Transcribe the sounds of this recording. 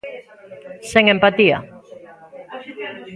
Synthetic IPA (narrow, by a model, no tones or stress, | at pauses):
seŋempat̪ia̰